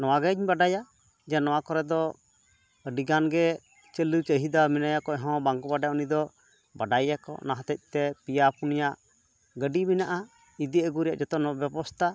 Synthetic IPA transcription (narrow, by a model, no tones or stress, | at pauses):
nɔwaɡɛɲbaɖaja | d͡ʒanɔwakɔɾɛd̪ɔ | əɖiɡanɡɛ | t͡ʃəlut͡ʃəɦid̪aminajakɔɛɦɔ̃baŋkɔbaɖajaunid̪ɔ | baɖajakɔ̰naɦãt̪ɛc̚ˀt̪ɛpijapunijaʔ | ɡəɖiminaʔa | id̪iəɡuɾɛja̰ʔd͡ʒɔt̪ɔnɔbjɛbɔst̪ʰa